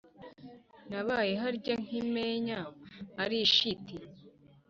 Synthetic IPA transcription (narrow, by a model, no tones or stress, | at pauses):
naβajeɦaɾɟoŋ̥imeɲaːɾiʃiti